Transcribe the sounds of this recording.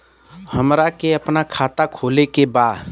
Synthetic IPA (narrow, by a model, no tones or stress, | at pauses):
həmɾakeəpnakʰaːt̪akʰolekebaːd̪